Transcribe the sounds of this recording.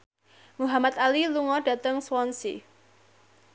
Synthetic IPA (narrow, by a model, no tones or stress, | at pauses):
muɦamat̪̚aliluŋɔɖ̥a̤t̪əŋswɔnsḭ